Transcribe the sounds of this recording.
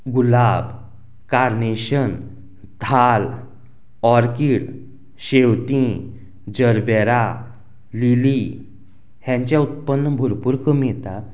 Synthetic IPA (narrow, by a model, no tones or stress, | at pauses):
ɡulab | kaɾneɕən | d̪ʱal | ɔɾkiɽ | ɕewt̪ĩ | d͡ʑəɾbɛɾa | lili | hjãɲt͡ɕjaut̪̚pənːəbʱuɾpuɾkəmijɛt̪a